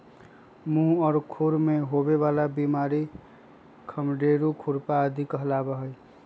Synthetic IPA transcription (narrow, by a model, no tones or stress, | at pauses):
mũɦɔɾkʰuɾmeɦobebalabimaɾi | kʰəmɖeɾukʰuɾpaəd̪ʱikəɦlabəɦəj